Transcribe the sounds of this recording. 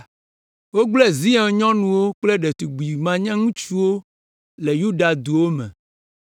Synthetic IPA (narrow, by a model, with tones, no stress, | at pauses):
wo˦ɡ͡blɛ˦zi˦ɛ̃˨ɲɔ̃˦nũ˨wo˦k͡ple˦ɖe˨t̪u˨ɡ͡bi˨mã˦ɲɛ̃˦ŋũ˦t͡ʃu˦wo˦ | le˨ju˦ɖa˨d̪u˨wo˦mɛ̰̃˨